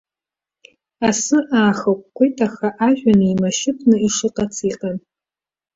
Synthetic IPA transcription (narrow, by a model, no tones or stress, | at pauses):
asɨʔaːxakʷʼkʷojtʰʼaxaʔaʒᶣʷanɨimaʃɪpʰnɨiʂɨqʼat͡sʰiːqʼan